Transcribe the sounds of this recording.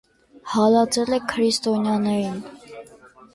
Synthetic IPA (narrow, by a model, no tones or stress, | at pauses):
hɑlɑt͡sɛlɛkʰəɾist̪ɔnjɑnɛɾin